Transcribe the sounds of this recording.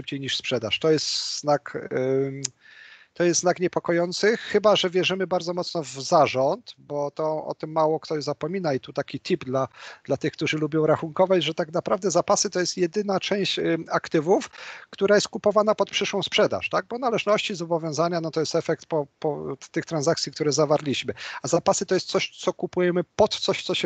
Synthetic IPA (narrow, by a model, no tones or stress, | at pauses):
ɘp̚t͡ɕejɲiʂspʂɛd̪a̰ʂt̪ɔjɛst̪z̥nak | t̪ɔjɛst̪znakɲɛpɔkɔjɔnt̪sɘxɘbaʐɛvʲjɛʐɘmɘbaɾd̪zɔmɔt̪snɔvzaʐɔnt̪bɔt̪ɔɔ̰t̪ɘmːawɔkt̪ɔʑzapɔmʲinait̪ut̪akʲit̪ʰipd̪lad̪̥lat̪ɘxk̚t̪uʐɘlubʲjɔ̃w̃ɾaxuŋkɔvad͡ʑʐɛt̪aknapɾavd̪ɛzapasɘt̪ɔjɛst̪jɛd̪ɘnat͡ʂɛ̃w̃ɕt͡ɕakt̪ɘvufkt̪uɾajɛst̪̚kupɔvanapɔt̪̚pʂɘʂwɔ̃w̃spʂɛd̪a̰ʂt̪aɡ̚bɔnalɛʐnɔɕt͡ɕizɔbɔvʲjɔ̃w̃zaɲanɔt̪ɔjɛst̪ɛfɛk̚t̪̚pɔpɔt̪ɘxt̪ɾanzakt̪sʲik̚t̪uɾɛzavaɾlʲiɕmɘazapasɘɨt̪ɔjɛst̪sɔɕt̪sɔkupujɛmɘpɔt̪t̪sɔɕt̪sɔɕɛ